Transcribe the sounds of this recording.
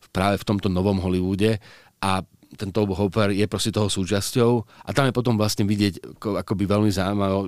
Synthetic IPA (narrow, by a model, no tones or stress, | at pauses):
pɾaːʋɛft̪ɔmt̪ɔnɔʋɔmɦɔliʋuːɟɛ | ʔa | t̪ɛnt̪ɔʊbɦɔpɛɾjɛpɾɔscɛt̪ɔɦɔsuːt͡ʃascɔʊʔat̪amjɛpɔt̪ɔmʋlasɲɛʋiɟɪɛɟakɔakɔbiʋɛlmizaːmalɔ